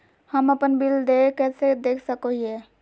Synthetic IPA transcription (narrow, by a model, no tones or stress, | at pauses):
həməpənbɪld̪ekɛːsed̪eːkʰsəkoiɛː